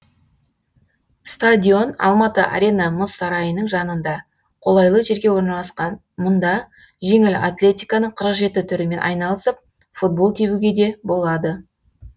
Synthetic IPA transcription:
st̪adʲio̞nɑ̰lˠmɑt̪əʔa̰ɾʲe̞nɑmʊsːɑɾɑjənəɴʒɑnənd̪ɑ | qʰo̞lˠɑjlˠəʒe̞ɾɡʲe̞wo̞ɾnɑlˠɑsqɑn | mʊnd̪ɑ | ʒe̞ŋɪla̰t̪lʲe̞t̪ʲijkɑnəɴqʰəɾəqʒe̞t̪ɪt̪ʰʏɾɪme̞nʔɑ̰jnɑlˠəsəp̚ | fut̪̚bo̞lˠt̪ʰe̞buɡʲe̞d̪e̞bo̞lˠɑd̪ə

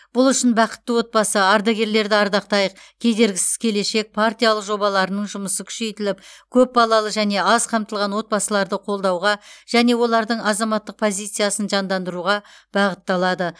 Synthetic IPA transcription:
b̥ʊlˠʏʃɪnbɑqə̥t̪ːəwo̞t̪̚bɑsəɑɾd̪ɑɡʲe̞ɾle̞ɾd̪ɪɑɾd̪ɑqt̪ɑjəq̚kʲʰe̞d̪e̞ɾɡʲɪsɪ̥z̥kʲʰe̞le̞ʃe̞k̚pʰart̪ʲijalˠəqʒo̞bɑlˠɑɾənəɴʒʊməsəkʲʰʏ̥ʃe̞jt̪ɪlɪpkʲʰɵp̚bɑlˠɑlˠəʒæne̞ɑzqʰɑmt̪əlˠʁɑnwo̞t̪̚bɑsəlˠɑɾd̪əqʰo̞lˠd̪ɑwʁɑʒ̥æne̞wo̞lˠɑɾd̪əɴɑzɑmɑt̪ːəq̚pʰo̞zijt̪sɨjasənʒɑnd̪ɑnd̪əɾuʁɑb̥ɑʁət̪ːɑlˠɑd̪ə

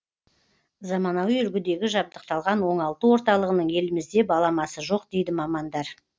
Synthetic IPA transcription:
zɑmɑnɑwjʏɾɡʲɪd̪e̞ɡʲɪʒɑb̚d̪əq̚t̪ɑlˠʁɑnwo̞ɴɑlˠt̪əwo̞ɾt̪ɑlˠəʁənəɴje̞lɪmɪzd̪e̞bɑlˠɑmɑsəʒo̞qd̪̥e̞jd̪ɪmɑmɑnd̪ɑɾ

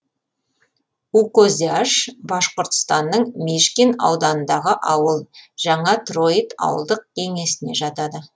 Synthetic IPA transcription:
ukozʲiaʃbɑʃqəɾt̪ə̥st̪ɑnːəɴmeʃkʲenɑ̰wd̪ɑnənd̪ɑʁəʔɑwəlˠʒ̥ɑɴɑt̪ro̞t̪ɑ̰wə̰lˠd̪əq̚kʲʰe̞ŋe̞sɪne̞ʒɑt̪ɑd̪ə

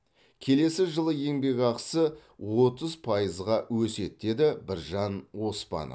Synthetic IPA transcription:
kʲʰe̞le̞sɪʒəlˠəje̞ŋbe̞ɡʲɑqsəwo̞t̪əzpʰɑjəzʁɑwɵse̞t̪̚d̪̥e̞d̪ɪbɪɾʒɑnwo̞spɑ̰nə̰

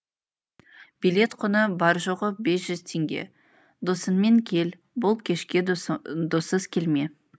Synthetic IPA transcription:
b̥ijle̞t̪qʰʊnəbɑɾʒoʁəbe̞sʒ̥ʏz̥t̪ʰe̞ŋɡʲe̞̰ | d̪osənme̞ŋkʲʰe̞l | bʊlˠkʲʰe̞ʃkʲe̞d̪osəz̥kʲʰe̞lme̞

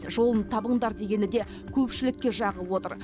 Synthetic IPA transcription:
ʒo̞lˠənt̪ʰɑbəɴd̪ɑɾd̪e̞ɡʲe̞nɪd̪e̞ | kʲʰɵpʃɪlɪkʲːe̞ʒɑʁəpwo̞t̪əɾ

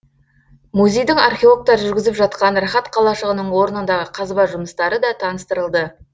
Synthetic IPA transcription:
muzʲe̞jd̪ɪŋɑrχʲeolˠok̚t̪ɑɾʒʏɾɡʲɪzɪpʒɑt̪̚qɑnrɑχɑt̪qʰɑlˠɑʃəʁənəɴwo̞ɾənənd̪ɑʁəqʰɑzbɑʒʊməst̪ɑɾəd̪ɑt̪ʰɑnəst̪əɾəlˠd̪ə

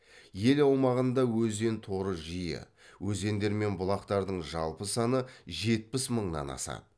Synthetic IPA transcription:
je̞lɑwmɑʁənd̪ɑwɵze̞nt̪ʰo̞ɾəʒijɪ̰ | wɵze̞nd̪e̞ɾme̞nbʊlˠɑqt̪ɑɾd̪əɴʒɑ̰lˠpəsɑnəʒe̞t̪̚pɪsməɴnɑ̰nɑ̰sɑ̰t̪̚

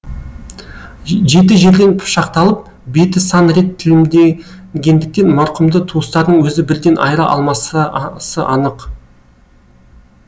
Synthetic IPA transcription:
ʒe̞t̪̬ɪʒe̞ɾd̪e̞npʰʊ̥ʃɑqt̪ɑlˠəp̚ | be̞t̪ɪsɑnɾe̞t̪ʰːɪlɪmd̪eɡʲe̞nd̪ɪk̚t̪e̞nmɑɾqʊmd̪ət̪ʰuəst̪ɑɾd̪əɴwɵzɪbɪɾd̪e̞nʔɑ̰jɾɑʔɑ̰lˠmɑssəʔɑnəq

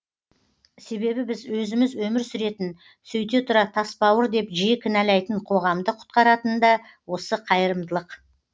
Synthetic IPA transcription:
se̞be̞bɪbɪzwɵzɪmɪzwɵmɪɾsʏɾe̞t̪ɪn | sɵjt̪e̞t̪ʰʊɾɑt̪ʰɑspɑwəɾd̪e̞pʒijɪkʲʰɪnælɑjt̪əɴqʰo̞ʁɑmd̪əqʰʊ̥t̪̚qɑɾɑt̪ənd̪ɑ | wo̞səqʰɑjəɾəmd̪əlˠəq

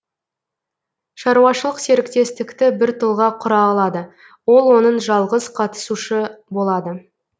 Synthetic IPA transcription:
ʃɑɾuɑʃəlˠəqse̞ɾɪkt̪e̞st̪ɪkt̪ɪbɪɾt̪ʰolˠʁɑqʰʊɾɑːlˠɑd̪ə | wo̞lˠwo̞nənʒɑlˠʁəzqʰɑt̪ə̥suʃəbo̞lˠɑd̪ə

